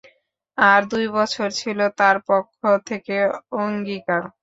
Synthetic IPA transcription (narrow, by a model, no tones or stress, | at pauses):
aɾd̪ujbɔt͡ɕʰoɾt͡ɕʰilot̪aɾpokʰːot̪ʰekeoŋɡikaɾ